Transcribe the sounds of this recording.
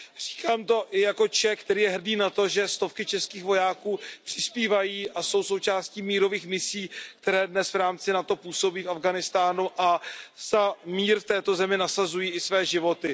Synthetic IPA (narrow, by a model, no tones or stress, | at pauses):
r̝̥i̥ːkaːmt̪o̞ʔɪjako̞t͡ʃɛkt̪ɛɾiːjɛɦr̩diːnat̪o̞ʒɛst̪o̞fkɪt͡ʃɛskiːxvo̞jaːkuːpr̥ɪspiːvajiːʔaso̞wsowt͡ʃaːsciːmiːɾo̞viːxmɪsiːkt̪ɛɾɛːdnɛsvɾaːmt͡sɪnat̪o̞puːso̞biːfavɡanɪst̪aːnuʔaz̥amiːɾft̪ɛːt̪o̞zɛmɪnasazujiːʔɪsvɛːʒɪvo̞t̪ɪ